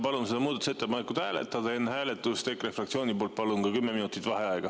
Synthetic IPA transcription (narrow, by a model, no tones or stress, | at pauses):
pɑlunse̞d̪ɑmuːd̪ɑt̪u̥se̞t̪ːepɑnekːˑud̪̥hæːlḛt̪ːˑɑd̪̥ɑenːhæːle̞t̪ːˑust̪ekːre̞frɑkt̪sio̞ːnʲipo̞ːlt̪̚pɑlunkɑkymːeminut̪ːˑit̪ːˑvɑhe̞ɑeɡ̥ɑ